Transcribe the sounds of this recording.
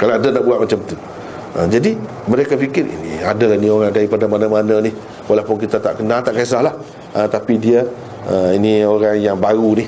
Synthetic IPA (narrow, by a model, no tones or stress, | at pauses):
kalaadanaʔbuat̪̚mat͡ʃamt̪u | əd͡ʒadi | məɾekafikɪɾḭnḭadalanĩoɾaŋdaɾipadamanamananɪh | walapʊnkit̪at̪a̰ʔkənalt̪aʔkes̬ahlah | ət̪apidiə | əinioɾaŋjaŋbaɾunih